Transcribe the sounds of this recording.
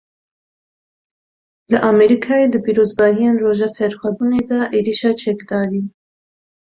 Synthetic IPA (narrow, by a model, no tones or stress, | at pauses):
ləʔɑmɛɾikʰɑːjed̪əpiɾozbɑːɦijenroːʒɑːt͡sʰɛɾxʷɛbuned̪ɑʔeɾiʃɑt͡ʃʰɛkd̪ɑːɾi